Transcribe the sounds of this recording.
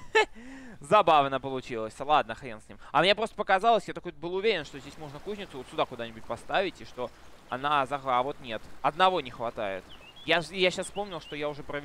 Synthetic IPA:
zɐbavnəpəlˠʊt͡ɕilˠəsʲlˠad̪nəxɾʲensʲnʲḭmɐmnʲepɾost̪əpəkɐzalˠəsʲjat̪ɐkojbɨlˠʊvʲeɾʲɪnʂt̪ozʲdʲesʲmo̞ʐnəkuzʲnʲɪt̪sʊot̪sʲʊd̪akʊd̪anʲɪbʊt̚ʲpɐst̪avʲɪtʲɪʂt̪o̞ | ɐ̰nazɐɣavo̞t̪nʲe̞t̪ɐd̪nɐvo̞nʲɪxvɐt̪a̰ɪ̰t̪ | jaʐjaɕasfpo̞mnʲɪlˠʂt̪o̞jaʊʐɛpɾəvʲ

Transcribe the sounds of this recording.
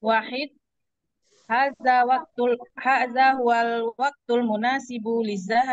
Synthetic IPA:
waːħɪd̪̚ | haːðaːwaq̚t̪haːðaːhʊwalwɑɡ̚t̪almʊnaːsɪblɪzːaɦa

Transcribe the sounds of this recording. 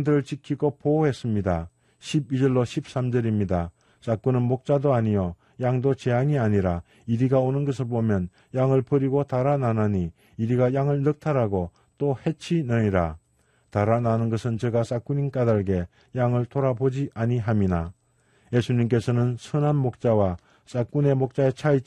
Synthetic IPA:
dɯɾɯɭt͡ɕikʰiɡopoɦe̞s͈ɯmɲida | ɕʰibid͡ʑʌɭːoɕʰip̚s͈amd͡ʑʌɾimɲida | s͈ak͈unɯnmok̚t͡ɕ͈adoaɲijʌ | jaŋdot͡ɕeaŋiaɲiɾa | iɾiɡaonɯnɡʌs̬ʰɯɭbomjʌn | jaŋɯɭpɯɾiɡot̪aɾananaɲiː | ɾiɡajaŋɯɭnɯk̚tʰaɾaɡo | t̪͈ohe̞t͡ɕʰinɯɲiɾa | t̪aɾananɯnɡʌsʰɯnt͡ɕʌɡas͈ak͈uɲink͈adaɭɡe̞ | jaŋɯɭtʰoɾabod͡ʑiʔaɲiɦamina | je̞sʰuɲimk̬͈e̞sʰʌnɯnsʰɯnɦanmok̚t͡ɕ͈awa | s͈ak͈une̞mok̚t͡ɕ͈ae̞t͡ɕʰait͡ɕ

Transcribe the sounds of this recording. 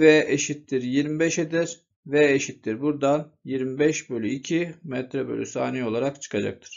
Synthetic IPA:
vɛʔeʃit̪ːiɾjiɾmibɛʃed̪ɛɾ | vɛeʃit̪ːiɾbuɾd̪anjiɾmibɛʃbølʲyicʰimɛt̪ɾɛbø̰lʲysa̰ːnio̞lˠaɾakt͡ʃʰɯ̥kʰad͡ʒa̰k̚t̪ʰɯ̥ɾ̥

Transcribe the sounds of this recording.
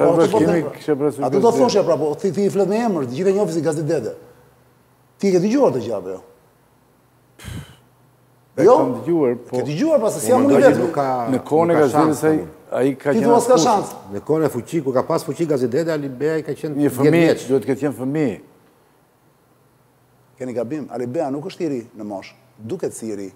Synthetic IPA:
aɾakɔimiki̥ʃɛpɾɛsuat̪ɔd̪ɔt̪θɔʃ̬japɾapɔθiθiflɛt̪mɛɛməɾd͡ʑiθɛɲɔfis̬iɡazid̪ɛd̪ɛ | t̪ikɛd̪əd͡ʑuaɾt̪əd͡ʑa̰vɛ̰jɔ | p | jɔnd̪əd͡ʒuaɾpɔkɛd̪əd͡ʒuaɾpasisiamunvɛt̪kːanəkʰɔnɛkɡazʃaiəsaja̰ikait̪uasaʃansnəkɔnɛfut͡ɕikuɾkapasfut͡ɕiɡazid̪ɛd̪ɛalibɛaikat͡ʃɛnɲəfəɛtmiɛt̪d̪uɛt̪əkɛt̪jɛnfəmi | kɛniɡabima̰libɛanukəʃt̪iɾinəmɔʃ | d̪ukɛt̪siɛɾi

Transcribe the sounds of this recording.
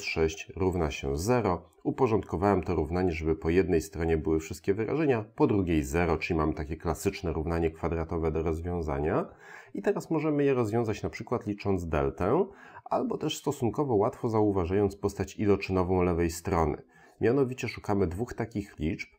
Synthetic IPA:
ʂɛɕt͡ɕɾuvnaɕɛ̰zɛɾɔ | upɔʐɔnt̪kɔvawɛmt̪ɔɾuvnaɲɛʐɛbɘpɔjɛd̪nɛjst̪ɾɔɲɛbɘwɘfʂɘst̪kʲɛvɘɾʔa̰ʐɛɲapɔd̪ɾuɡʲejzɛɾɔt͡ʂɘlʲimamɘt̪akʲɛklasɘt͡ʂnɛɾuvnaɲɛkfad̪ɾat̪ɔvɛd̪ɔɾɔzvʲjɔ̃w̃za̰ɲa | it̪ɛɾasmɔʐɛmɘjɛɾɔzvʲɔ̃w̃zat͡ɕnapʂɘkwat̪lʲit͡ʂɔnd̪zd̪ɛ̰lt̪ɛʔalbɔt̪ɛʂst̪ɔsunkɔvɔwat̪fɔzauvaʐajɔnt̪spɔst̪at͡ɕilɔt͡ʂɘnɔvɔ̃w̃lɛvɛjst̪ɾɔnɘ̰ | mʲjanɔvʲit͡ɕɛʂukamɘd̪vuxt̪akʲixlʲit͡ʂp̚

